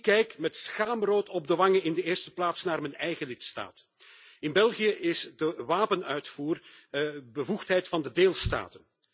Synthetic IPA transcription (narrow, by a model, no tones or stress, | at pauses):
kːɛjkmɛtsxaːmroːtʰɔb̚dəʋɑŋəɪndəeːrstə̥plaːtsnaːrmɛnɛjɣəlɪtsta̰ːt | ɪnbɛlˠɣijəʔɪzdəʋaːpənœɥtfuːr | bəvuxtɦɛjtfɑndədeːlˠsta̰ːtən